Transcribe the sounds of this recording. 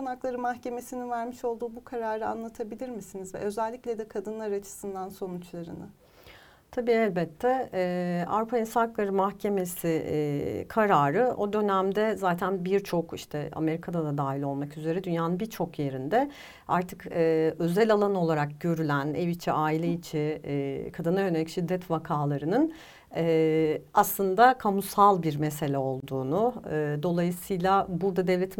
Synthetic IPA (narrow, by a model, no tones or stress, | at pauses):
anaklˠaɾɯmaxce̞me̞sininvæɾmiʃo̞lˠd̪uːbukʰaɾaːɾɯa̰nlˠat̪ʰabilʲiɾmisinizvɛ̰ʔø̞zælʲːiclʲɛd̪ɛkʰad̪ɯnlˠaɾɯat͡ʃʰɯ̥sɯnd̪anso̞nut͡ʃlˠaɾɯnɯ | t̪ʰabiːɛlʲbɛt̪ʰːɛ | a̰vɾupʰainsaklˠaɾɯmahcʰe̞me̞si | kʰaɾaːɾɯʔo̞d̪ø̞næmd̪ɛzaːt̪ʰænbiɾt͡ʃʰo̞kḭʃt̪ʰɛa̰me̞ɾikʰad̪ad̪ad̪aːɦilʲo̞lˠmakyze̞ɾɛd̪ynjaːnɯnbiɾt͡ʃʰo̞kje̞ɾind̪ɛ | aɾt̪ʰɯkːø̞zælʲalˠano̞lˠaɾak̚ɟø̞ɾylʲænɛvit͡ʃʰiʔaːilʲɛit͡ʃʰɪkʰad̪ɯnajøneicʃid̪ːɛt̪vakʰaːlˠaɾɯnɯn | ɛaslˠɯnd̪akʰamusalˠbiɾmese̞lʲɛo̞lˠd̪uːnʊːd̪o̞lˠajɯsɯjlˠabuɾd̪ad̪evlʲɛt̪ʰ